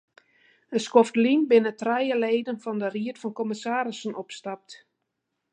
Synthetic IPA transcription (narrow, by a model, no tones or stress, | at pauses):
əskoftlinbɪnətrɛjəleːdənfɔndəriətfɔnkɔmɪsaːɾɪsənɔpstap̚t